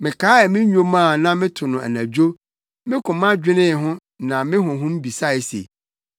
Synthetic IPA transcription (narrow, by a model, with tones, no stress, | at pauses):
mɪ̃˨kʰaː˦ɛ˨mɪ̃˦ɲᶣõ˦mã˦˨nã˦mɪ̃˦tʰʊ˨nʊ̃˨æ̰˨næ̃˨d͡ʑᶣo˦ | mɪ̃˦kʰʊ̃˨mã˦d͡ʑᶣɪ˦nɪ̃˦˨ɦʊ̃˦ | nã˨mɪ̃˦ɦʊ̃˨ɦʊ̃˦m̩˦bi˨sa˦ɪ˨sḛ˨